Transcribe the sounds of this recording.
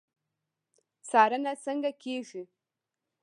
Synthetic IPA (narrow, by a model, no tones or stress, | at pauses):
saɾanat͡saŋɡakiʒʷi